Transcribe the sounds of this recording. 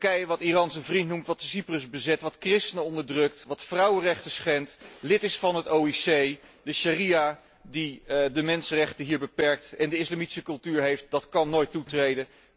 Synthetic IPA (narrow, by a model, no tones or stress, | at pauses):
kɛjəʋɑtirɑnsəvrintnumtʋɑtəsiprəzbəzɛtʋɑtkrɪstənəɔndəɹdrɵk̚tʋɑtfrʌwərɛχtəsχɛntlɪtɪsfɑnɦətowisejdəʃarija | didəmɛnsərɛχtəɦiːɹbəpɛɹk̚tɛndəɪslamitsəkɵlˠtyːɹɦejft̚dɑtkɑnːojtːutrejdə